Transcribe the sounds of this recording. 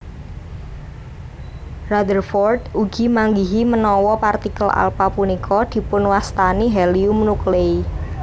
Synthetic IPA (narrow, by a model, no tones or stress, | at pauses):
rad̪ərfɔrt̪uɡ̥i̤maŋɡiɦimənɔwɔpart̪ikəla̰lpapunikʰɔd̪̥i̤pʊnwast̪aniɦɛliumnuklei